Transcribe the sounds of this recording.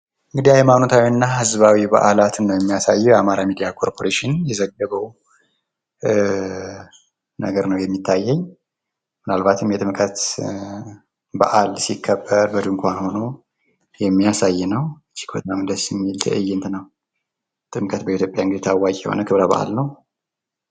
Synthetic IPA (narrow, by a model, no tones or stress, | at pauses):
ʔɨŋɡɨd̪iajmanot̪ʰawiɨnːaɦɨzβawiba̰ʔalat̪ʰɨnːəwjɛmːijasajːɛjamaɾamid̪ijakʰo̞ɾpʰo̞ɾeʃɪnjɛzəɡːəβəw | nəɡəɾnəwjɛmːit̪ʰːajːɛɲː | mɨnalbat̪ʰɨmjɛt̪ʼɨmkʰʼət̪ | ba̰ʔalsikʰːəbːəɾbəd̪ɨŋkʷanho̞no̞ | jɛmːijasajːnəwɨt͡ʃːi̥kbət̪ʼamɨnd̪əsɪmːilt̪ʰə̰ʔɨjːɪnt̪nəw | t̪ʼɨmkʰʼət̪bəit̪ʰjopʼjaɨŋɡɨd̪t̪ʰawːakʼɛho̰nəkʰɨβɾaba̰ʔa̰lnəw